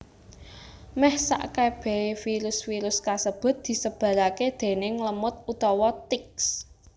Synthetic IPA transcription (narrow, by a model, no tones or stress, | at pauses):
mɛhsa̰ʔkab̥ɛ̤fiɾʊsfiɾʊskasəb̥ʊ̤t̪̚d̪̥i̤səb̥ä̤ɾaked̪̥e̤nɪŋləmʊt̪̚ut̪ɔwɔt̪ɪks